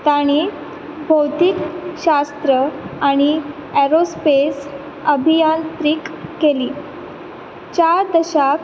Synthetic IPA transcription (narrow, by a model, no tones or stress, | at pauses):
t̪aɽ̃iː | bʱəwt̪ikɕast̪ɾəaɽ̃i | æɾospes | əbʱijant̪ɾikːeliː | t͡ɕaɾd̪əɕak